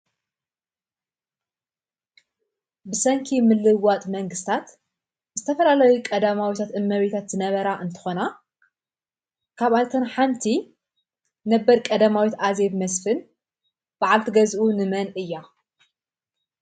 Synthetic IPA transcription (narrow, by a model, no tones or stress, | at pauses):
bɨsɐŋkʰimɨlːɨwːat̪ʼmɐŋɡɨst̪ʰat̪ | zɨt̪ʰɐfɐlalɐjukʼɐd̪amawit̪ʰat̪ɨmːɐβit̪ʰat̪z̥ɨnɐβɐɾaʔɨnt̪ʰɨ̥xo̞na | kʰaβajt̪ʰɐnħamt̪ʰi | nɐbːɐɾkʼɐd̪amawit̪ʔaze̞βmɐsfɨn | b̥aʕalt̪ʰɨɡɐzʔunɨmɐnʔɨjːa